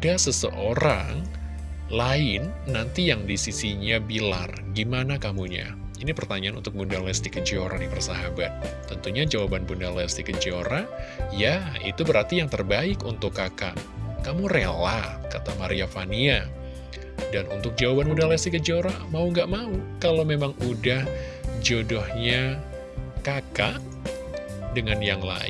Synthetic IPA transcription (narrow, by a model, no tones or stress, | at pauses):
dasəsə̰ʔoɾaŋ | laɪnːant̪ijaŋdisisiɲabila̰rɡimanakamuɲa̰ | inipərt̪aɲaʔanunt̪ʊk̚mudalɛst̪ikəd͡ʒoɾadipərsaɦabat̪̚ː | ənt̪uɲad͡ʒawabanbundalɛst̪ikəd͡ʒioɾajaḭt̪ubəɾart̪ijaŋt̪ərbaɪkunt̪ʊkːaka̰ʔkamurelakat̪amaɾiafania | danṵnt̪ʊk̚d͡ʒawabanbundalɛst̪ikəd͡ʒoɾamauŋɡaʔmaukalomemaŋudah | d͡ʒodɔhɲa | kakaʔ | dəŋanjaŋla̰ɪ̰